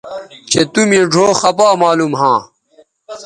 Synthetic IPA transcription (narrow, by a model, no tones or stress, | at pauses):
t͡ɕet̪umĩɖʱoːxɐpaːmaːlumɦãː